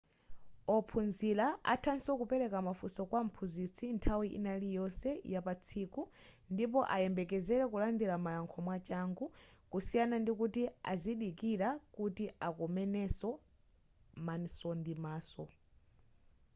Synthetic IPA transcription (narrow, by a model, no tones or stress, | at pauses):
ɔpʰunzilaa̰tʰansɔkupɛɾɛkamafusɔkwam̩pʰuzit͡sʰintʰawiʔḭnalijɔsɛjapat͡sʰiːku | ndip̬ɔʔajɛmbɛkɛzɛɾɛkulandiɾamajaŋkʰɔmwat͡ʃaŋɡukusijanandikutia̰ziɗikiɾakutiʔakɔmɛnɛsɔ | mansɔndimaːsɔ